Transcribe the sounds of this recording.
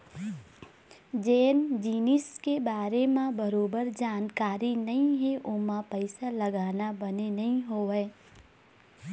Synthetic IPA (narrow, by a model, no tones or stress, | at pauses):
d͡ʒeːnd͡ʒiːnɪskebaːɾemãbəɾoːbəɾd͡ʒaːnkaːɾinɐɦĩɦɛʔʊmãpəɪsalɐɡaːnabənenɐɦĩɦoɦɛː